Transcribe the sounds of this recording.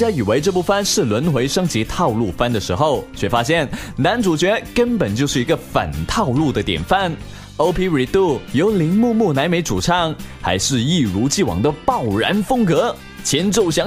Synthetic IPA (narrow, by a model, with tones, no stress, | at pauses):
t͡ɕja˥i˨˩we˧˥ɪʈ͡ʂɤ˥˧p̬u˥˩fə˥˧nʂɻ̩˥˩lwə˧˥nxwe˧˥ɪʂɤ˥ŋt͡ɕi˧˥t̪ʰɑ˥˧ʊlu˥˩fa˥nd̪ə˨ʂɻ̩˧˥xo˥˧˩ʊt͡ɕʰɥɛ˥˩fa˥ɕ̬jɛ˥˩nna˧˥nʈ͡ʂu˨˩t͡ɕɥɛ˧˥kə˥npə˨˩nt͡ɕjo˥˧ʂɻ̩˥˩i˧˥ɡə˧fə̰˨˩nt̪ʰɑ˥˧ʊlu˥˩d̪ə˩t̪jɛ̰˨˩nfa˥˩n | o˥ʊpʰi˥ɹi˨˩t̪u˥˩jo˧˥ʊli˧˥ŋmu˥˧mu˥˩na˧˥ɪme˧˥ɪʈ͡ʂṵ˨˩ʈ͡ʂʰɑ˥˩ŋxa̰˧˥ɪʂɻ̩˥˧i˥˩ɻu˧˥t͡ɕi˥˩wɑ̰˨˩ŋd̪ə˧pɑ˥˩ʊɻa̰˧˥nfɤ˥ŋkɤ˧˥ | t͡ɕʰjɛ˧˥nʈ͡ʂo˥˩ʊɕjɑ˧˥